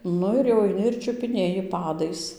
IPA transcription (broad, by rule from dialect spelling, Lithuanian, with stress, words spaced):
ˈnʊ ɪr jɛʊ ɐɪˈnʲɪ ɪr t͡ʃʲʊpʲɪˈnʲeːjɪ ˈpɑːdɐɪs